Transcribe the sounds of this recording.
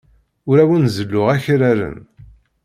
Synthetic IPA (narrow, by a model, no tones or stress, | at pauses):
ʊɾæwənzəlːʊʁæçɾæɾə̰n